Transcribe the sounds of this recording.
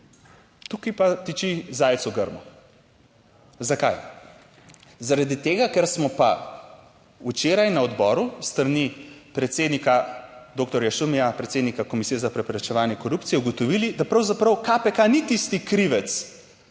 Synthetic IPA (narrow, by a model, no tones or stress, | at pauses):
t̪ukipat̪it͡ʃizaːjt̪sɔɡəɾmɔ̰ | zaka̰j | zaɾad̪it̪eːɡakɛɾsmɔpa̰ | ut͡ʃeːɾajnaɔd̪bɔːɾust̪ɾanipɾɛt̪seːd̪nikad̪oːk̚t̪ɔɾjaʃumijapɾɛt̪seːd̪nikakɔmisiːjɛzapɾɛpɾɛt͡ʃɛʋaːnjɛkɔɾupt̪sijɛuɡɔt̪ɔʋilid̪apɾɐwzapɾɐwkapɛkanit̪ist̪ikɾiʋɛt̪s